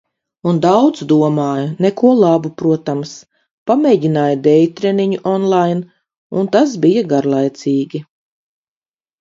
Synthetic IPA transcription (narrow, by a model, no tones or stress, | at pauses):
und̪awd̪zd̪uɔmaːjunɛkuɔlˠabupɾuɔt̪ams | pamʲɛɟinaːjd̪ɛjt̪ɾɛniɲuʔɔnlˠajn | unt̪asbijaɡaɾlˠajt̪siːɡʲi